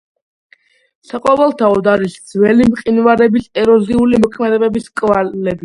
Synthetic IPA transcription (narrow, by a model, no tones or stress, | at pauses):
saqʼɔvɛlˠt̪ʰaɔd̪aɾisd̪zvɛlimqʼinvaɾɛbisɛɾɔziulimɔkʰmɛd̪ɛbɛbiskʼvalɛbi